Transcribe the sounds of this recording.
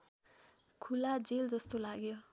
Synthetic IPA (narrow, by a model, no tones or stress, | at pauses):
kʰulad͡zeld͡zʌst̪olaɡjo